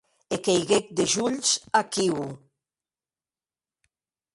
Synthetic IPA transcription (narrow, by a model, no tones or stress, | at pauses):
ekejɣek̚d̪eʒuʎsakiw